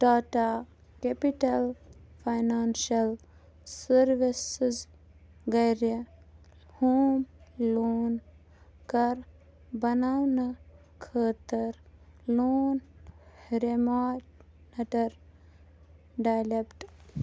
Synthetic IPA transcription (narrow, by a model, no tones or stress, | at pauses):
ɖaːʈa | kepiʈɐlfʰajnaːnʃɐl | sɐɾʋisz | ɡɐjɾjɐ | hoːmloːn | kɐɾ | bɐnawnɐ | kʰəːt̪əɾloːn | ɾemaːʈ | nɐʈɐɾ | ɖajlepʈ